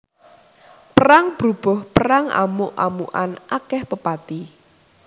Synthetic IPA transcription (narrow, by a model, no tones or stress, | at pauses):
pəɾaŋb̥ɾub̥ɔhpəɾaŋa̰muʔa̰muʔa̰nʔakɛhpəpat̪i